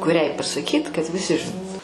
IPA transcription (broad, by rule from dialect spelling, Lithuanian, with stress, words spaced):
kʊˈrʲɛɪ pɐsɐˈkʲiːt kɐt ʋʲɪˈsʲɪ ʒʲɪˈnoːtʊ